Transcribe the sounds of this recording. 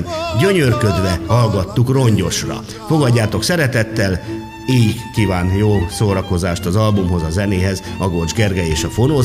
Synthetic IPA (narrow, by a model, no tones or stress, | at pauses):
nɟø̞ɲørkø̞d̪ʋɛhɒlɡɒt̪ːukro̞ɲɟo̞ʃrɒ̰ | fo̞ɡɒɟːaːt̪o̞ksɛɾɛt̪ɛt̪ːɛl | iːjikːiːvaːnjoːsoːɾɒko̞zaːʃt̪ɒzɒlbumɦo̞zɒzɛneːɦɛzɒɡo̞ld͡ʒɡɛrɡɛeːʃɒfonoː